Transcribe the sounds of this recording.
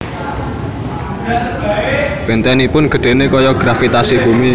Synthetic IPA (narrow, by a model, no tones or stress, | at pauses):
b̥e̤nt̪ɛnipʊnɡ̥ə̤ɖ̪̥e̤nekɔjɔɡ̥ɾafit̪asib̥ṳmi